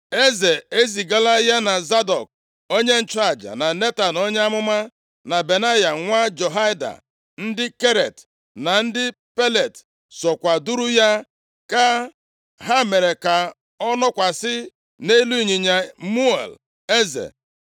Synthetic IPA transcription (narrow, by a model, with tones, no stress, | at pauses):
e˦ze˨e˦zi˨ɡa˦la˦ja˦na˨za˦dɔ̰˨k̚ | o˦ɲe˦n̩˦˨t͡ʃa˦˨d͡ʒa̰˨na˨ne˦ta˨no˦ɲe˦a˦mʊ˦ma˦ | na˨be˨na˦ja˨ŋʷa˦d͡ʒo˨ɦa˦jda̰˨ | n̩˦dɪ˦ke˦ɾḛ˨t | na˨n̩˦dɪ˦ | pe˦le˨t | sɔ˨kʷa˨du˦ɾu˦ja˦ | ka˦ | ɦa˦me˨ɾe˨ka˨ | ɔ˦nɔ˦kʷa˨sɪ˦ | ne˦lu˦i˦˨ɲi˨ɲa˨mu˦ḛ˨l | e˦zḛ˨